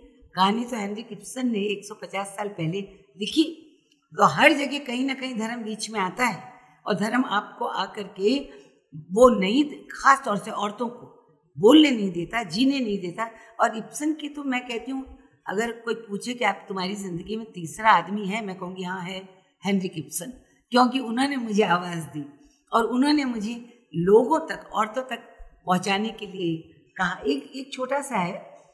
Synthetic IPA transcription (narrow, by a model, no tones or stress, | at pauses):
kaanit̪oɦɛ̃ːnɾɪkɪpsənːẽeːksɔpɐt͡ʃaːsːaːlpɛɦle | d̪ɪkʰi | t̪oɦɐɾd͡ʒɐɡekɐɦĩnɐkɐɦĩd̪ʱɐɾəmbiːt͡ʃmẽaːt̪aɦɛː | ɔ̰ːɾd̪ʱɐɾəmaːp̚koʔa̰ːkɐɾke | ʋonɐĩxaːst̪ɔːɾseɔːɾt̪õko | boːlnenɐɦĩd̪eːt̪ad͡ʒiːnenɐɦĩd̪eːt̪a | ɔːɾɪpsənkit̪omɛ̃kɛɦt̪iɦũ | ɐ̰ɡəɾkoːipuːt͡ʃʰekiaːpt̪ʊm̤aːɾizɪ̃nd̪əɡimẽt̪iːsɾaaːd̪miɦɛmɛ̃ːkɐɦũːŋɡijɐɦãɦɛ | hɛnɾɪkɪpsən | kjõːkiʊnɦõnemʊd͡ʒʱeaːʋaːzd̪iː | ɔːɾʊnɦõnemʊd͡ʒʱe | loːɡõt̪ɐkɔ̰ːɾt̪õt̪ɐk̚pɐɦʊ̃t͡ʃaːnekelie | kɐɦãeːkeːk̚t͡ʃʰoːʈasaɦɛː